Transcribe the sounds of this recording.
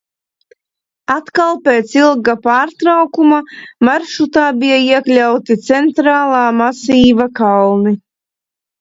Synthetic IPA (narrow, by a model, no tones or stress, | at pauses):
at̪kalˠpeːt̪silˠɡapaːɾt̪ɾawkumamaɾʃut̪aːbijaiɛklʲawt̪it̪sɛnt̪ɾaːlˠaːmasiːvakalni